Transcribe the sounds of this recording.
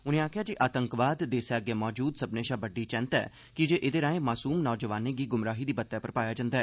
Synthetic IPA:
ʊnẽːaːkʰɪjaːd͡ʒiʔaːt̪əŋkʋaːd̪ːeːsaːɡjaːmɔːd͡ʒuːd̪səbneːʃaːbəɖːiːt͡ʃɛ̃nt̪ɛ̰ː | kɪd͡ʒeːʔɪd̪eːɾaːẽːmaːsuːmnɔːd͡ʒəʋaːneːɡiːɡʊmɾaːɦiːd̪iːbət̪ːjaːpəɾpaːjaːd͡ʒãːnd̪aːɦɛː

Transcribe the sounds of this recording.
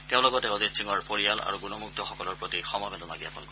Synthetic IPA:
teʊ̃lɔɡɔtɛozitsiŋɔɹpoɹijala̰ɹuɡunɔmuk̚tɔxɔkɔlɔɹpɹotixɔmɔjbʱedɔnaɡiapɔlkɔ

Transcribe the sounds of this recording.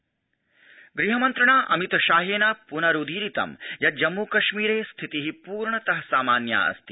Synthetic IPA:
ɡɾiɦɐmɐnt̪ɾɐɳaːʔɐmit̪ʃaːɦeːnaːpunɐɾud̪ʱiːɾit̪ɐ̰mjɐd͡ʒɐmːuːkɐʃmiːɾeːst̪ʰit̪iɦipuːɾɳɐt̪ɐɦɐsaːmaːnja̰ːɐ̰st̪i̥

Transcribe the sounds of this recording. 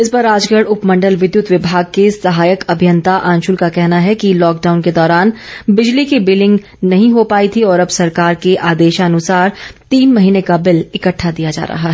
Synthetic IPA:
ɪspɐɾaːd͡ʒɡəɽʊpmɐ̃ɳɖəlʋɪd̪jʊt̪ʋɪbʱaːɡ̚kesɐɦaːjəkɐbʱijə̃nt̪aʔãːnʃʊlkakɛɦnaɦɛkilɔːkɖaːʊnked̪ɔːɾaːnbɪd͡ʒlikebɪlɪ̃ŋɡ | nɐɦĩɦopaːit̪ʰiɔːɾɐbsɐɾkaːɾkeʔaːd̪eːʃaɐnʊsaːɾt̪iːnmɐɦiːnekabɪlɪkəʈʰːad̪ijad͡ʒa̰ːɾɐ̰ɦaɦɛː

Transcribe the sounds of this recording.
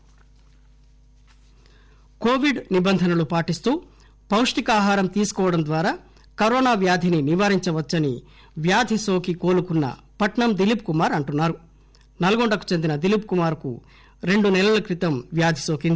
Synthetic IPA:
koːʋiɖnibɐnd̪ʱɐnɐlupaːʈist̪uː | pɐwʂɐʈikaːɦaːɾɐmt̪iːsu̥kɔːʋɐɽɐnd̪ʋaːɾaː | kɐɾoːnaːʋjaːd̪ʱininiʋaːɾiɲt͡ʃɐʋɐt͡ʃːɐnḭ | ʋjaːd̪ʱiso̞ːkiko̞ːlukunːɐ̰ | pɐʈɳɐmd̪ilipkumaːɾɐɳʈunːaːɾu | nɐlɐɡoɳɖɐku̥t͡ʃend̪inɐd̪ilip̚kumaːɾkṵ | ɾe̞ɳɖunɛlɐlɐkɾit̪ɐmʋjaːd̪ʱisoːkind̪i

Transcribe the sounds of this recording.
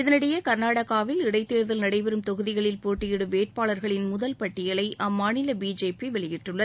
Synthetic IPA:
ɪðɐnɪɽɐjɐkɐɾnaːɽɐɣaːʋɪlɪɽɐɪt̪ːeːɾðɐlnɐɽɐɪʋɛɾɯmt̪ɔɣɯðɪɣɐɭɪlpoːʈːɪjɪɽɯʋeːʈ̚paːɭɐɾɣɐɭɪnmʊðɐlpɐʈːɪjɐlɐɪʔɐmːaːnɪlɐbiːd͡ʒeːpiʋɛɭɪjɪʈrɯɭːɐ

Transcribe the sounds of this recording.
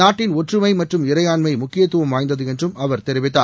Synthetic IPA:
aːʈːɪnɔʈrɯmɐɪmɐʈrɯmɪɾɐjaːnmɐɪmʊkːɪjɐt̪ːɯʋɐmʋaːjnd̪ɐðɯɛndrɯmɐʋɐɾt̪ɛɾɪʋɪt̪ːa̰ː

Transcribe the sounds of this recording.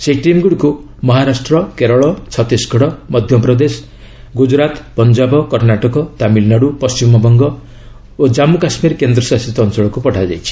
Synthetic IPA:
seʈimɡuɽiku | mɔɦaɾasʈɾɔkeɾɔɭɔt͡ʃʰɔt̪isɡʱɔɽɔmɔd̪ʱjɔpɾɔd̪es | ɡud͡ʒɾat̪pɔnd͡ʒabɔkɔɾnaʈɔkɔt̪amilnaɽupɔst͡ʃimɔbɔŋɡɔ | od͡ʒamukasmiɾkend̪ɾɔsasit̪ɔɔnt͡ʃɔɭɔkupɔʈʰad͡ʒa̰jt͡ʃʰi̥

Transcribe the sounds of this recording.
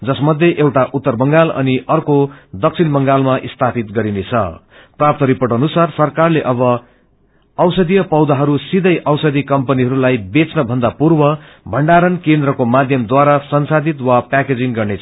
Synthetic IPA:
d͡zʌsmʌd̪ʱjeʔewʈaʔut̪ːʌrbʌŋɡalʌ̰niʔʌrkod̪ʌk̚t͡sʰinbʌŋɡalmaʔist̪ʰapit̪ɡʌɾinet͡sʰʌ̰ | prap̚t̪ʌɾipʌʈʌnusarsʌrkarleʔʌbʌ | ʌwsʌd̪ijʌpʌwd̪aɦʌɾusid̪ʱʌjʔʌwsʌd̪ʱikʌmpʌniɦʌɾulajbet͡snʌbʱʌnd̪apurbʌ | bʱʌɳɖaɾʌnkend̪rʌkomad̪ʱjʌmd̪waɾasʌnsad̪it̪wapaked͡ziŋɡʌrne

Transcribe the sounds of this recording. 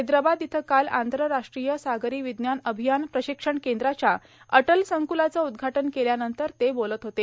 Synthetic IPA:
d̪ɾəbad̪jit̪ʰəkala̰nd̪ʱɾəɾaʂʈɾijəsaɡɾiːʋid̪njanəbʱijanpɾəɕikʂəɳkend̪ɾat͡ɕja | əʈəlsəŋkulat͡səud̪ɡʱaʈənkeljanənt̪əɾt̪ebolət̪ɦot̪e

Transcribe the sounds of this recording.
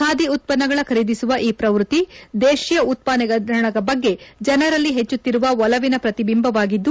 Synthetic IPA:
kaːd̪iut̪̚pɐnːɐɡɐɭɐkʰɐɾid̪isuʋɐʔiːpɾɐʋɾut̪id̪eːʃijɐut̪̚paːnɛɡɐɾɐɳɐɡɐbɐɡːe̞d͡ʒɐnɐɾɐlːiɦet͡ʃːut̪ːiɾuʋɐʋɔlɐʋinɐpɾɐt̪ibimbʱɐʋaːɡid̪ːu

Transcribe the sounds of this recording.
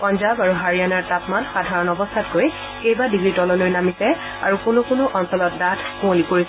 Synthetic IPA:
pɔnzabaɹuɦaɹijanaɹtapmanxadʱaɹɔnɔbɔstʰatkoj | kejbadiɡɹitɔlɔlojnamisɛ | a̰ɹukʊnʊkʊnʊʔɔnsɔlɔt̚datʰkũolipoɹisɛ

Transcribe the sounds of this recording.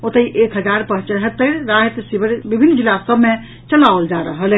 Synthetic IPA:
ot̪əiʔekɦəd͡ʒaɾpəɦt͡ʃəɦət̪ːəɾɾaɦet̪sibəɾbibʱinːd͡ʒilːasəbʱme | t͡ʃəlaold͡ʒaɾəɦəl

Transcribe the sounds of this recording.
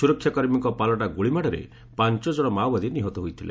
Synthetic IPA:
uɾɔkʰːjakɔɾmikɔpalɔʈaɡuɭimaɽɔɾḛ | pant͡ʃɔd͡ʒɔɽ̃ɔmawbad̪ʱiniɦɔt̪ɔɦujt̪ʰilḛ

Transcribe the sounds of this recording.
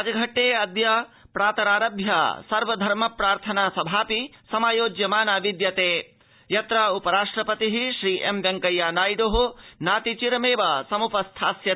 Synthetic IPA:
d͡ʒɐɡʱɐʈːeːɐd̪japɾaːt̪ɐɾaːɾɐbʱja̰sɐɾʋɐd̪ʱɐɾmɐpɾaːɾt̪ʰɐnaːsɐbʱaːpisɐmaːjoːd͡ʒjɐmaːnaːʋid̪jɐt̪eː | jɐt̪ɾaːupɐɾaːʂʈɾɐpɐt̪iɦiʃɾiːʔemʋjɐŋkɐjaːnaːjɖoɦunaːt̪it͡ʃiɾɐmeːʋɐsɐmupɐst̪ʰaːsjɐ

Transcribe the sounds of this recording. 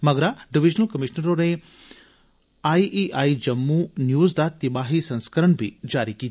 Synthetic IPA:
mɐɡɾaɖiʋid͡ʒnɐlkɐmiʃnəɾoːɾe | aːiʔiʔaːid͡ʒɐmːunjuːzd̪at̪ibaːɦisɐ̃nskɐɾɐɳbʱid͡ʒaːɾikiːt̪

